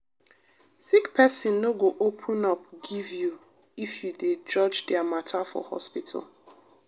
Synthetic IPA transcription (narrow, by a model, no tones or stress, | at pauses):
sikpɛsɪ̃nːoɡoʔopʰʊ̃nɔpɡivju | ifjuded͡ʒɔd͡ʒdɪamatʰafɔ̰hɔ̰spitʰa̰lˠ